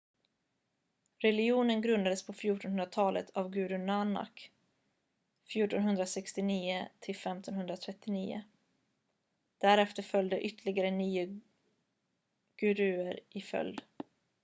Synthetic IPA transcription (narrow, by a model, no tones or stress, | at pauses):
ɾɛlɪuːnənɡɾɵnd̪ad̪əspʰɔfjuːʈɔnhɵnɾat̪ʰɑːlə̰t̪ʰavɡʉ̟ːɾʉnana̰k | fjuːʈɔnɦɵnd̪ɾasɛkst̪ɪniːʊt̪ʰɪlfɛmt̪ɔnɦɵnd̪ɾat̪ʰɾɛt̪ːɪniːʊ̰ | d̪̥æɾɛft̪əɾfœljd̪əʔʏt̪ʰːəɭɪɡaɾəniːʊ | ɡ̥ʉɾʉ̟ːəɾɪfœ̰ld̪